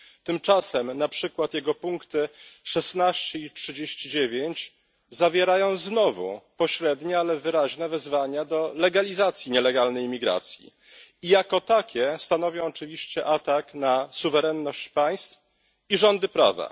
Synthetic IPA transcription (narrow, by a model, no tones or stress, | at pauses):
t̪ɘmt͡ʂasɛmnapʂɘkwat̪jɛɡɔpuŋkt̪ɘʂɛsnaɕt͡ɕɛitʂɘd͡ʑeɕt͡ɕid͡ʑevʲjeɲt͡ɕ | zavʲjɛɾajɔ̃w̃znɔvṵpɔɕɾɛd̪ɲɛalɛvɘɾaʑnɛvɛzvaɲad̪ɔlɛɡalʲizat̪sʲjiɲɛlɛɡalnɛjmʲiɡɾa̰t̪sʲjḭ | ijakɔt̪akʲɛst̪an̪ɔvʲjɔ̃w̃ɔt͡ʂɘvʲiɕt͡ɕɛʔat̪aknasuvɛɾɛnːɔɕt͡ɕpaj̃st̪f | iʐɔnd̪ɘpɾa̰va̰